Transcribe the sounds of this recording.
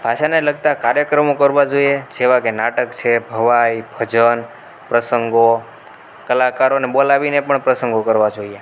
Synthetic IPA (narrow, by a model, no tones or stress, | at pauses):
bʱaʃaneləɡ̚t̪akaɾjəkɾəmõkəɾʋad͡ʒoied͡ʒeʋakenaʈəkt͡ʃʰebʱəʋajbʱəd͡ʒən | pɾəsəŋɡo | kəlakaɾoneɓolaʋinepəɳpɾəsəŋɡokəɾʋad͡ʒoie